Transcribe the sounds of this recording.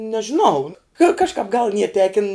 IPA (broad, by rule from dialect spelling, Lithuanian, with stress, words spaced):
nʲɛʒʲɪˈnɐʊ kɐ kɐʃˈkɑːp ɡɐlˠ nʲiɛ ˈtʲæːkʲɪn